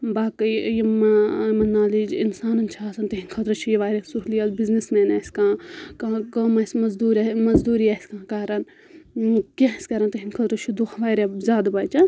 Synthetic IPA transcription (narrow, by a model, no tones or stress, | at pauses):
baːkɐjjimɐmɐnːaːlid͡ʒḭnsaːnɐnt͡ʃʰaːsɐnt̪ɐɦinkʰɐt̪ɾɐt͡ʃʰijɐʋaːɾʲɐsuɦlijasbiznismeːnɐsʲkãːkãːkɐmɐsʲmɐzd̪uːɾmɐzd̪uːɾiɐsʲkãːkaːɾɐn | kʲãːsʲkɐɾɐnt̪ɐɦinkʰɐt̪ɾɐt͡ʃʰud̪uhɐʋaːɾʲezʲaːd̪ɐbɐːt͡ʃan